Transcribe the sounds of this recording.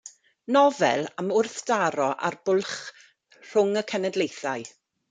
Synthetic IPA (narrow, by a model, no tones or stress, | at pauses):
nɔvɛ̰lˠamʊrθd̥aɾɔʔa̰rb̥ʊlˠχ | r̥ʊŋəkʰɛnɛdlejθaɨ